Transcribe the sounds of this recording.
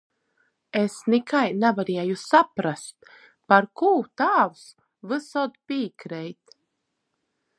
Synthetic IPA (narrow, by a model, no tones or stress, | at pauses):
esnikajnavaɾijajusapɾast̪̚ | paɾkuːt̪aːws | vɨsɔd̪pʲiːkɾɛjt̪